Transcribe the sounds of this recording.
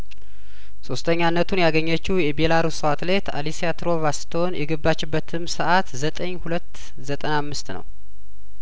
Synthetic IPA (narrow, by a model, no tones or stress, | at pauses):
so̞st̪ʰəɲːanːət̪ʰunjaɡəɲːət͡ʃːijɛbelaɾusəwat̪let̪ʰa̰lisiat̪ɾo̞βast̪ʰonjɛɡɨbːat͡ʃːɪbːət̪ʰɨmsəʔat̪zət̪ʼəɲhulət̪ː | zət̪ʼənamːɨst̪nə̰w